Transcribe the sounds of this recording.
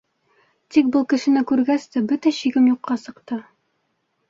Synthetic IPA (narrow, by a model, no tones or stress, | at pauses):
t̪ik̚bɤlˠkɘ̆ʃɘ̆nɘkʉɾɡæst̪æbɵt̪æɕiɡɘmjuqːɑsɤ̆qt̪ɤ